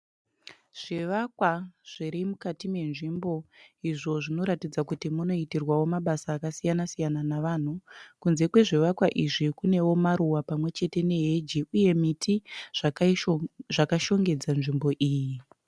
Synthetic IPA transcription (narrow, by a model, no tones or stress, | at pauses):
ʐ̥iʋakwaʐ̥iɾimukatime̞nʐimbo̞iʐo̞ʐino̞ɾatid͡zakutimuno̞itirwawo̞maɓasaːkasijanasijananaʋan̤ukunze̞kwe̞ʐiʋakwaʔiʐikune̞wo̞maɾuwapamwe̞t͡ʃe̞te̞ne̞ɦed͡ʒiuje̞mitʰiʐ̥ | ʐakaʃo̞ŋɡe̞d͡zanʐimbo̞ʔiːji